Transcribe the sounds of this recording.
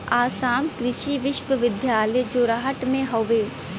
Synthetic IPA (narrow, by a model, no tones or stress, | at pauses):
aːsaːmkɾɪʃiʋɪʃʋəʋɪd̪ʱjaːlejd͡ʒoːɾaɦəʈmẽɦoʋeː